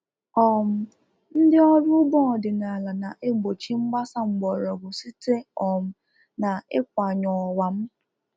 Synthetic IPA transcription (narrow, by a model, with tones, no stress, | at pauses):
ɔ˨m̩˨ | n̩˦dɪ˦ɔ˦dʊ˦bɔ˦˨dɪ˨na˨la˨na˨ʔe˦ɡ͡bo˨t͡ʃi˦ŋ͡m̩˦ɡ͡ba˦sa˦ŋ͡m̩˨ɡ͡bɔ˨ɾɔ˨ɡo˨si˦te˦ɔ˨m̩˨ | na˨ɪ˦kʷa˨ɲɔ˨wa˨m̩˦